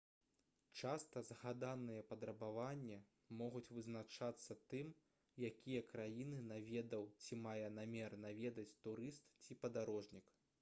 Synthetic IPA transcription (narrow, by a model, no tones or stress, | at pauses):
t͡ʂast̪ɐzɣad̪anɨjɐpɐd̪ɾɐbavanʲːɛ | mɔɣut͡sʲvɨznat͡ʂat̪sːɐt̪ɨm | jakʲijɐkɾajinɨnavʲɛd̪ɐwt͡sʲimajɛnamʲɛrnavʲɛd̪ɐt͡sʲt̪uɾɨst̪t͡sʲipɐd̪aɾɔʐnʲik